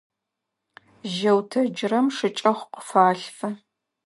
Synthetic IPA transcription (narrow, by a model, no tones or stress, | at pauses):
ʒɐwtʰɐd͡ʒɪrɐmʂɨt͡ʃʼɐχʷqʊ̥faːɬfɐ